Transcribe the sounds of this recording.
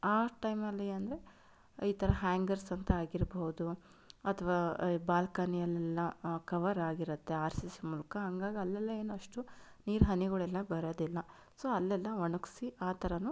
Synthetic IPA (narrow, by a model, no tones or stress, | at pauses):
aːʈɐjmɐlːɐeɐnd̪ɐɾe | iːt̪ʰɐɾɐɦaːŋɡɐɾsɐnt̪ɐaːɡiɾboɦud̪u | ɐt̪ʰɐʋaːbaːlkaːnijɐlːɛlːɐkɐʋɐɾaːɡiɾut̪ːe̞aːɾsismuːlɐkɐɦɐŋɡaːɡiɐlːɛlːɐe̞ːnuɐʂʈu | niːɾɦɐniɡɐɭɛlːɐbɐɾoːd̪ilːɐ | soːɐlːɛlːɐʋɐɳuksiaːt̪ʰɐɾɐnu